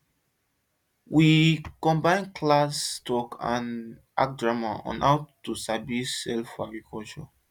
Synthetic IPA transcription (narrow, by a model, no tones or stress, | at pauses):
wʔikɔ̃mbãɪ̃nkʰlastɔkʰã̰n | a̰k̚dɹamaɔ̰̃nhawtusabisɛlfaɡɹikʰɔlt͡ʃɔ